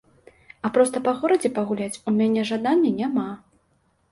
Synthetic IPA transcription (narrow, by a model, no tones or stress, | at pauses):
apɾɔst̪ɐpɐɣɔɾɐd͡zʲɛpɐɣulʲat͡sʲumʲanʲɛʐad̪anʲːɐnʲama